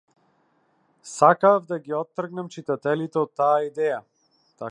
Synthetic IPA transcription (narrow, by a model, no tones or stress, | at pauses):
sakavd̪aɡiɔt̪ːr̩ɡnamt͡ʃit̪at̪ɛlit̪ɛɔt̪ːaːid̪ɛja | t̪a